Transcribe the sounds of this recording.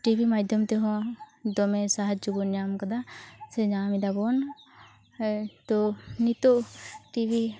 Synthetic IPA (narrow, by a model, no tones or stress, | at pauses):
ʈibʱimad̪ʱjɔmt̪ɛɦɔ̃d̪ɔmɛsaɦad͡ʒd͡ʒubɔnjamkad̪asɛɲamid̪abɔn | t̪ɔnit̪ɔʔʈibʱi